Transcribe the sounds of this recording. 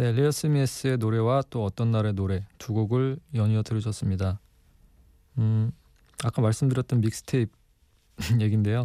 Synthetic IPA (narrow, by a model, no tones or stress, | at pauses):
ne̞ɾiʌs͈ʰɯmies͈ɯe̞noɾe̞wat͈oʌt͈ʌnːaɾe̞noɾe̞tuɡoɡɯɭjʌɲiʌtɯɾʌɕʰʌs͈ɯmɲida | ɯ | ak͈amaɭs͈ɯmdɯɾjʌt͈ʌnmik̚s͈ɯ̥tʰeip̚ | je̞ɡinde̞jo